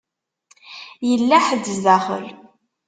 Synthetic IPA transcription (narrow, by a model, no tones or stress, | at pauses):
jəlːæħəd̪ːəzðæχə̰l